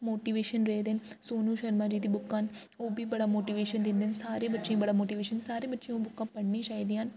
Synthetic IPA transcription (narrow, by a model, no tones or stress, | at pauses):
moːʈiːʋeːʃənɾəeːd̪ensoːnũːʃəɾmãːd͡ʒiːd̪iːbʊkːãːn | oːbiːbəɽaːmoːʈiːʋeːʃənd̪ɪnd̪eːnsaːɾeːbətːʃẽãːbəɽaːmoːʈiːʋeːʃənsaːɾeːbətːʃẽoːbʊkːãːpəɽniːt͡ʃaːiːd̪ĩːaːn